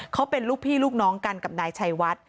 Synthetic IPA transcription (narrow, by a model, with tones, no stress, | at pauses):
kʰa˦˥wpe˧nluː˥˩k̚pʰiː˥˩luː˥˩k̚nɔː˦˥ŋka˧nka˨˩p̚naː˧jt͡ɕʰa˧jwa˦˥t̪̚